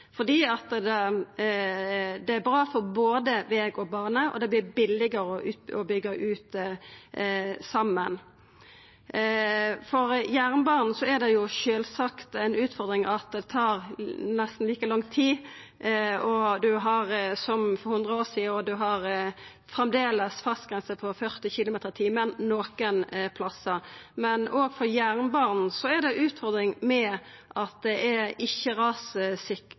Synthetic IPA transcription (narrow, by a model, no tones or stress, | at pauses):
fɔd̪iːɑt̪d̪ɛ | d̪ɛæɾbɾɑːfɔɾboːd̪əʋeːɡɔbɑːʁnəʔɔ̰d̪ɛblɪbɪlːɪɡəɾəɔʔʉːt̪ɔbʏɡːɑʔʉːt̪ | sɑmːən | fɔɾjæʁnəbɑːʁnn̩sɔæɾd̪ɛjʊʃøːlsɑkt̪æɪnʉːt̪fɔɾd̪ɾɪŋɑt̪̚d̪ɛt̪ʰɑːʁnɛst̪n̩liːkəlɑŋt̪ʰiː | ɔd̪ʉɦɑʁsɔmfɔhʉnd̪ʁəoːsiːəɔd̪ʉɦɑɾ | fɾɛmd̪eːləsfɑst̪̚ɡʁɛnsəpʰɔfœʁt̪ɪçɪlʊmeːt̪əɾt̪ʰiːmənnoːkənpʰlɑsːəmɛnoːɡfɔɾjæʁnbɑːʁnn̩sɔæd̪ɛʔʉːt̪fɔɾd̪ɾɪŋmɛʔɑt̪̚d̪ɛʔɛɪçːəɾɑːsəsɪk